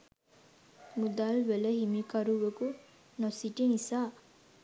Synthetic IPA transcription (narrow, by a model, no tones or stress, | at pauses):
mud̪alʋeləhimikaɾuʋəku | nosiʈinisaː